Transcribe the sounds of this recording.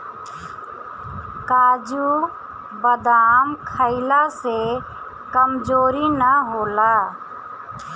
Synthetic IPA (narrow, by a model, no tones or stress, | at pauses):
kaːd͡ʒu | bəd̪aːmkʰəɪlase | kəmd͡ʒoːɾinəɦoːla